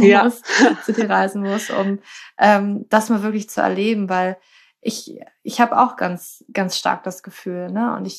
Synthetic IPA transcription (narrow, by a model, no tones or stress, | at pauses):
ʊszudiːʁaɪzn̩mʊsʔʊ̰mʔɛːmd̥asmaːlvɪɐklɪçt͡suɛ̰ɐleːbm̩vaɪl | ʔɪç | ʔɪçhaːbəa̰ʊxɡ̥a̰nt͡sɡ̥ansʃta̰ɐk̚d̥asɡ̥əfyːlnəʔʊ̰ntɪç